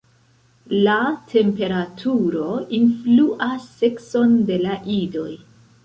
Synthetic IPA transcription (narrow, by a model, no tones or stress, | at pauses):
latʰe̞mpe̞ɾatʰuɾo̞influʔasːe̞kso̞nde̞laʔido̞̰j